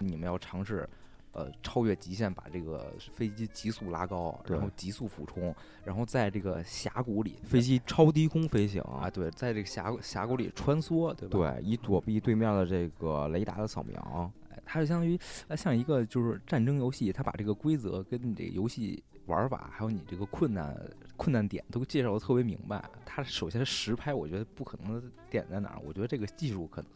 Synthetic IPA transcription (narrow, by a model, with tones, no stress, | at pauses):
ni˨˩mə˦njɑ˥˩ʊʈ͡ʂʰɑ˧˥ŋʂɻ̩˥˩ | ə̰˧ʈ͡ʂʰɑ˥ʊɥɛ˥˩t͡ɕi˧˥ɕjɛ˥˩npa̰˨˩ʈ͡ʂɤ˥˩ɡə̰˩fe˥ɪt͡ɕi˥t͡ɕi˧˥su˥˩la̰˥kɑ˥ʊɻa̰˥n˥xo˥˩ʊt͡ɕi˧˥su˥˩fṵ˨˩ʈ͡ʂʰʊ˥ŋ | ɻa˧˥nxo˥˧ʊt͡sa˥˧ɪʈ͡ʂɤ˥˩ɡə˩ɕja̰˧˥ku˧˥lḭ˨˩˦fe˥ɪt͡ɕi˥ʈ͡ʂʰɑ˥ʊt̪̬i˥kʰʊ˥ŋfe˥ɪɕ̬ḭ˨˩˦ŋ̰˧˩t̪we˥˩ɪt͡sa˥˧ɪʈ͡ʂɤ˥˩ɡə˩ɕja̰˧˥˧ɕja̰˧˥ku˧˥lḭ˨˩ʈ͡ʂʰwa˥nswɔ˥t̪we˥˧ɪbt̪we˥˩ɪi˥˩t̪wɔ˨˩pi˥˧t̪we˥˧ɪmjd̪ə˩ʈ͡ʂɤ˥˩ɡə˩le˧˥ɪt̪a̰˨˥˩d̪ə˦sʰɑ˨˩ʊmjɑ̰˧˥˧e˥˩ɪt̪ʰa˥t͡ɕjo˥˧˩ɕ̬jɑ˥ŋt̪y˧˥ə˥ɕjɑ˥˩ŋi˧˥ɡə˧t͡ɕjo˥˧ʊʂɻ̩˥˧ʈ͡ʂa˥˩nʈ͡ʂɤ˥ŋjo˧˥ʊɕi˥˩t̪ʰa˥pa̰˨˩ʈ͡ʂɤ˥˩ɡə˩kwe˥ɪt͡sɤ̰˧˥kə˥ni˨˩ʈ͡ʂɤ̰˥˩ɡə̰˩jo˧˥ʊɕi˥˩ | wɐ̰˞˧˥fa̰˨˩˦xa˧˥ɪjo˧˥ni˨˩ʈ͡ʂɤ˥˩ɡə˩kʰwə˥˧nna̰˥˩nkʰwə˥˧na˥˩nt̪jɛ̰˨˩˦nt̪o˥ʊt͡ɕjɛ˥˧ʂɑ˥˩d̪ə˩t̪ʰɤ˥˩pjɛ˧˥mḭ˧˥ŋba˧˩ɪt̪ʰa˥ʂo˨˩ʊɕjɛ˥˧nʂʂɻ̩˧˥pʰa˥ɪwɔ˨˩t͡ɕɥɛ˧˥d̪ə˧pu˥˩kʰɤ˨˩nɤ˧˥ŋd̪ə˧t̪jɛ̰˨˩nt̪a˥na̰˧˥wɔ̰˨˩t͡ɕɥɛ˧˥ə˧ʈ͡ʂɤ˥˩ɡə˩t͡ɕi˥˧ʂu˥˩kʰɤ˨˩nɤ˧˥ŋŋ